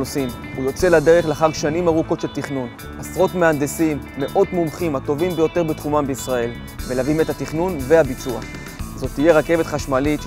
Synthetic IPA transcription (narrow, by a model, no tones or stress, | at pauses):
osim | ujo̞t͡selad̪e̞ʁeχleaχaʁʃanimaʁuko̞tʃelt̪iχnun | asʁo̞tmeand̪esimːe̞ʔo̞tmumχimat̪o̞vimbejo̞t̪e̞ʁbet̪χumambeisʁae̞l | melavime̞t̪hat̪iχnunvehabit͡sua̰ | zo̞t̪ːije̞ʁake̞ve̞t̪χaʃmalit̪